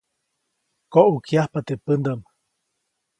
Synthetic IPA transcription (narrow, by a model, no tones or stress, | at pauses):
koʔukjahpat̪epənd̪əm